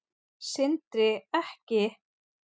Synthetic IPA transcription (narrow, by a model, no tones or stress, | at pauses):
sɪnt̪ɾɪɛhcɪ